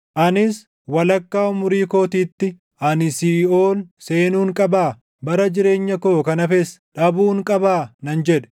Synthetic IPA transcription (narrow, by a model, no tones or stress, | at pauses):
ʔɐnɪs | wɐlɐkːaːʊmʊɾiːko̞ːt̪iːt̪ːɪ | ʔɐnɪsiːoːlse̞ːnuːŋkʼɐbaː | bɐɾɐd͡ʒɪɾe̞ːɲːɐkoːkɐnɐfɛsᶑɐbuːŋkʼɐbaːnɐnd͡ʒɛᶑɛ̥